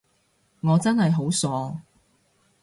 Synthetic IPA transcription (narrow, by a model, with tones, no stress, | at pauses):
ŋɔː˨˧t͡sɐ˥nhɐ˨jɦo˨˥wsɔː˨˧